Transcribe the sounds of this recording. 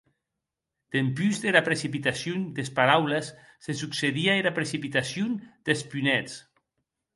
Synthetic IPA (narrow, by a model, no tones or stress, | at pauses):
d̪̥empyzðeɾapɾesipit̪asjund̪espaɾawlesː | esukseðiaeɾapɾesipit̪asjund̪̥espynɛt͡s